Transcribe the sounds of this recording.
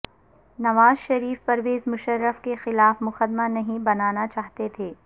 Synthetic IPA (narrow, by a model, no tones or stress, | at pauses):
nɐʋaːzʃɐɾiːfpɐɾʋeːzmʊʃəɾːəfkexɪlaːfmʊxəd̪manɐɦĩbɐnaːnat͡ʃaːɦt̪et̪ʰeː